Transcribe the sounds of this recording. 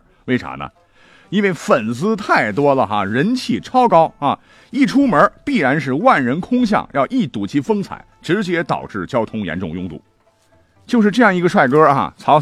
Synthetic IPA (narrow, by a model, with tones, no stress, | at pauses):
we˥ɪʈ͡ʂʰa̰˧˥nə̰˧ | i˥nwe˥˩ɪfə˨˩nt͡sɹ̩˥t̪ʰa˥˩ɪt̪wɔ˥lə˨xa̰˧ɻə˧˥nt͡ɕʰi˥˩ʈ͡ʂʰɑ˥ʊkɑ˥ʊa˧ | i˥˩ʈ͡ʂʰu˥mə˞˧˥pi˥˩ɻa˧˥nʂ̬ɻ̩˥˧wa˥˩nɻə˧˥nkʰʊ˥ŋɕ̬jɑ̰˥˩ŋjɑ˥˧ʊʔi˥˩t̪u˨˩t͡ɕʰi˥fɤ˥ŋt͡sʰa̰˨˩˦ɪʈ͡ʂɻ̩˧˥t͡ɕjɛ˥t̪ɑ̰˨˩ʊʈ͡ʂɻ̩˥˩t͡ɕjɑ˥ʊt̪ʰʊ˥ŋjɛ̰˧˥nʈ͡ʂʊ̰˥˧ŋjʊ˥˧ŋt̪ṵ˥˩ | t͡ɕjo˥˧ʊʂ̬ɻ̩˥˧ʈ͡ʂɤ˥˧jɑ˥˩ŋi˧˥ɡə˧ʂwa˥˩ɪkɤ˥a̰˧˩t͡sʰɑ˧˥ʊ